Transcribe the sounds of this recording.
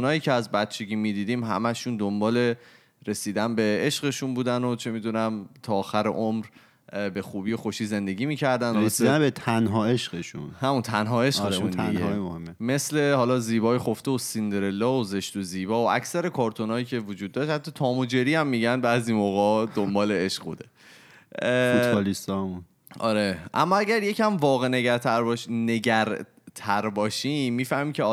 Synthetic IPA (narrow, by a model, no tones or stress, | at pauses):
nɒːjiːcʰeæzbæt̪̚t͡ʃʰeɡʲiːmiːd̪iːd̪iːmɦæ̰mæʃund̪ombɒːle̞ | ɾe̞siːd̪ænbe̞eʃɢe̞ʃunbuːd̪æno̞t͡ʃʰe̞miːd̪unæmt̪ʰɒːxæɾḛʔomɾ | be̞xuːbiːjo̞xoʃiːze̞nd̪e̞ɟʲiːmiːcʰæɾd̪ænd̪sid̪ænbet̪ʰænɦɒːeʃɢeʃṵnhæmunt̪ʰænɦɒːeʃeundinemohemːeme̞sle̞hɒːlɒːziːbɒːjixoft̪eosind̪eɾelːɒːoze̞ʃt̪oziːbɒːoʔæcsæɾe̞kʰɒːɾt̪ʰonɒːjiːcʰe̞vod͡ʒuːd̪̚ːɒːʃhæt̪ʰːɒːt̪ʰɒːmod͡ʒe̞ɾiːæmːiːɟænbæːziːmoɣɒːd̪ombɒːleeʃɣbṵːd̪e | olist̪ɒːmun | ɒ̰ːɾeʔæ̰mːɒæɟæɾje̞cʰæmvɒːɣeneɟæɾt̪ʰæɾbʃneɟæɾ | t̪ʰæɾbɒːʃiːiːfæhmiːcʰe